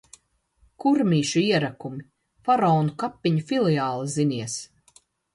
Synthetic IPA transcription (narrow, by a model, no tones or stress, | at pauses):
kuɾmiːʃuiɛɾakumi | faɾɔːnukapːiɲufilˠijaːlˠiziniɛs